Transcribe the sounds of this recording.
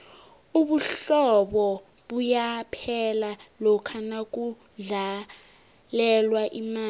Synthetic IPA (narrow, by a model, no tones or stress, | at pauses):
uɓuɬɔɓɔ | ɓujapʰɛlalɔkʰanak̬ʼu | ɮa | lɛlwaʔimaː